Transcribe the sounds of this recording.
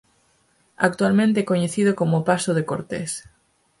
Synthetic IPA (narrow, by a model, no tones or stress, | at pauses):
a̰k̚t̪ualmẽnt̪eɛkoɲeθiðokomʊpasʊðekoɾt̪ḛs